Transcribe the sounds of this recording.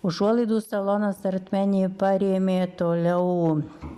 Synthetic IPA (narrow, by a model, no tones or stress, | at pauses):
ʊʒuɔlˠɐɪd̪uːsɐlˠoːnɐsɐɾt̪ʲmʲænʲiːpɑɾʲeːmʲeːt̪oːlʲɛʊ